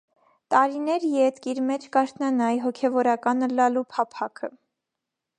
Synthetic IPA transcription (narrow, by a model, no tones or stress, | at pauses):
t̪ɑɾinɛɾjɛt̪kiɾmɛt͡ʃʰkɑɾt̪ʰnɑnɑjɦɔkʰɛvɔɾɑkɑnəlɑlupʰɑpʰɑkʰə